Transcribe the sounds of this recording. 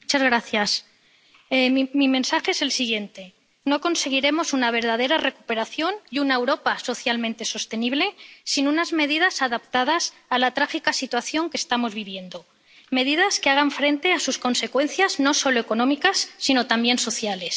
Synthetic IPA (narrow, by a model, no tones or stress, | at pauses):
ut͡ʃazɣɾaθjas | emime̞nsaxe̞ese̞lsiɣje̞nt̪e̞ | noko̞nse̞ɣ̞iɾe̞mo̞sunaβ̞e̞ɾð̞að̞e̞ɾare̞kupe̞ɾaθjo̞njunaewɾo̞paso̞θjalmẽnt̪e̞so̞st̪e̞niβle̞sinunazme̞ð̞iðasaðapt̪að̞as | alat̪ɾaxikasit̪waθjo̞ŋkest̪amo̞zβiβje̞nd̪o | me̞ðiðaskeaɣ̞aɱfɾe̞nt̪e̞asusko̞nse̞kwe̞nθjazno̞so̞lo̞e̞ko̞nõ̞mikasːino̞t̪ambje̞nso̞θjale̞s